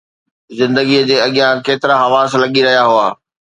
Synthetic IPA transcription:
zɪ̃nd̪əɡiəd͡ʑeːɐɠijãkeːt̪ɪɾaɦɐʋaːslɐɠiɾɐɦijaɦʊaː

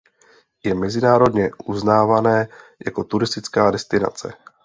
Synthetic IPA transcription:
jɛmɛzɪnaːɾo̞dɲɛʔuznaːvanɛːja̰ko̞t̪uɾɪst̪ɪt͡skaːdɛst̪ɪna̰t͡sɛ̰

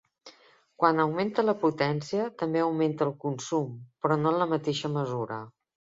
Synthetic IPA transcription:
kwanəwment̪ələput̪ɛnsiət̪əmbeəwment̪əːlˠkunsumpɾɔnoənləmət̪eʃəməzuɾə̰

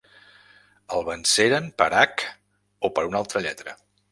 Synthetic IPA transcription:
əlˠβənseɾənpəɾak | opəɾunalˠt̪ɾəʎɛt̪ɾə

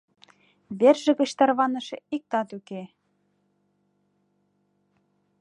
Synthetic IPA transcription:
βerʒɘ̆ɣɘ̆ɕt̪ɑrβɑnɤ̆ʃĕik̚t̪ɑt̪yke

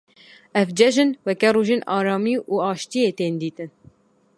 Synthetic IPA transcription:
ɛvd͡ʒɛʒɨnwɛkɛruːʒeːnʔɑːɾɑːmiːʔuːɑːʃt̪ijeːt̪eːnd̪iːt̪ɨn

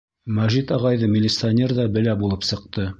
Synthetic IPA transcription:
mæʒit̪ɑʁɑjðɤmʲɪlʲːɪt̪sɨanʲerðɑbɘ̆læbulˠɤpsɤ̆q̚t̪ɤ

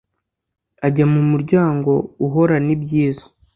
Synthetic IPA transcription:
aɟamumuɾɟaːŋɡo̞uɦo̞ɾanibɟiːzḁ

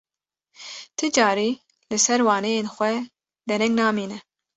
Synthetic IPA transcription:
t̪ʰɨd͡ʒɑːɾiː | lɨsɛɾwɑːnejeːnxʷɛ | d̪ɛɾɛŋɡnɑːmiːnɛ

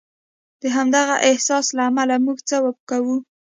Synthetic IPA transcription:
d̪̥əɦamd̪aɣaʔɪhsɑslaːmalamuɡt͡səwapkawu

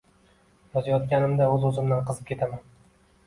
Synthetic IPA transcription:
jɒzajɒt̪̚kʲanɪmd̪aɵzɵzɪmd̪anqʰɨzɪp̚kʲʰe̞t̪ʰaman

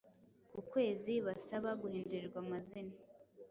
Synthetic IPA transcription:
kukwe̞ːziβasaβaɡuhiːnduɾiɾɡwamazina

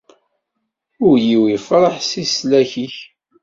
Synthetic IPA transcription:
ʊɾjiwifɾˤəħsislæçiç

